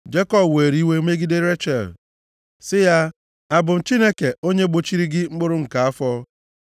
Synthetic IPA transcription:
d͡ʒe˦kɔ˦bweː˨ɾi˦we˦me˦ɡɪ˦dɪ˦ɾe˦t͡ʃe˨l | sɪ˦ja˦ | a˨bʊ˨n̩˨t͡ʃi˦ne˦ke˨o˦ɲe˦ɡ͡bo˦t͡ʃi˦ɾi˦ɡɪ˦ŋ͡m̩˦ɡ͡bʊ˦ɾʊ˦ŋ̩˨ka˨a˦fɔ˦

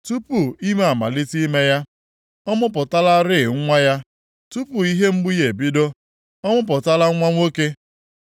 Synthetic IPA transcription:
tu˦pu˨i˦me˦a˨ma̰˨li˦ti˦me˦ja˦ | ɔ˦mʊ˦p̬ʊ˨ta˦la˦ɾɪ˦˨ŋ̩˦ŋʷa˦ja˦ | tu˦pu˨i˦ɦe˦ŋ͡m̩˦ɡ͡bu˦je˨bi˦do˦ | ɔ˦mʊ˦p̬ʊ˨ta˦la˦ŋʷa˦ŋʷo˦ke˦

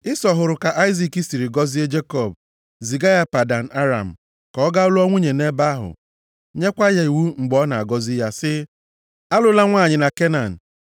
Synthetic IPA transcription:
ɪ˦sɔ˨ɦʊ˨ɾʊ˨ka˨ʔa˦ɪ˦zi˨ki˦si˨ɾi˨ɡɔ˦zi˦e˦d͡ʒe˦kɔ˦˨b̚ | zi˨ɡa˦ja˦pa˨da˨n̩˨ʔa˦ɾa̰˨m̩˨ | kɔ˨ɔ˦ɡa˦ʊ˦lʊ˦ɔ˦ŋʷu˦ɲe˨ne˦ba˦a˦ɦʊ̰˨ | ɲe˦kʷa˦ja˨i˨wu˦ŋ͡m̩˨ɡ͡bɔ˦na˨a˨ɡɔ˦zi˦ja˦sɪ˦ | a˦lʊ˦la˦ŋʷa˦˨ɲɪ˨na˨ke˦na˨n̩˨

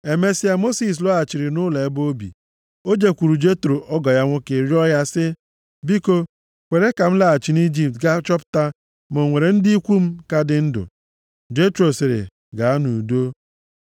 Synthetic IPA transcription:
e˨me˦si˦a˦mo˦si˨s̬lɔ˦a˨t͡ʃi˨ɾɪ˨nʊ˦la˨e˦bo˦bḭ˨ | o˦d͡ʒe˨kʷu˨ɾu˨d͡ʒe˦tɾo˨ʔɔ˦ɡɔ˨ja˦ŋʷʊ˦ke˨ɾjɔ˦ja˦sɪ˦ | bi˦ko˦ | kʷe˨ɾe˦ka˨m̩˦la˨a˨t͡ʃi˨ni˦d͡ʒi˨p̚tɡa˦t͡ʃɔ˦pʊ̥˦ta˦ | mo˨ŋʷe˨ɾe˨n̩˦dɪ˦i˦kʷu˦m̩˦ka˦dɪ˦n̩˦dʊ̰˨ | d͡ʒe˦tɾo˨sɪ˨ɾɪ̰˨ | ɡa˨a˦nu˨do˦

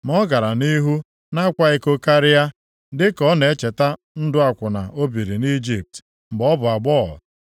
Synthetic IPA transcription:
mɔ˦ɡa˨ɾa˨ni˦ɦu˦ | na˦kʷa˦ɪ˦ko˦ka˦ɾɪ˦ja˦ | dɪ˦kɔ˦ne˨e˦t͡ʃe˨ta˦ | n̩˦dʊ˦a˨kʷʊ˨na˨ʔo˦bi˨ɾi˨ni˦d͡ʒi˨p̚t | m̩˨ɡ͡bɔ˦bʊ˨a˨ɡ͡bɔ˦˨

